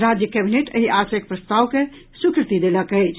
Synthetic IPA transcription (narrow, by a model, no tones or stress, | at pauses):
ɾad͡ʒjəkɛbineʈə̰ɦiʔasək̚pɾəst̪awke | sukɾɨt̪id̪eləkəjt͡ʃʰ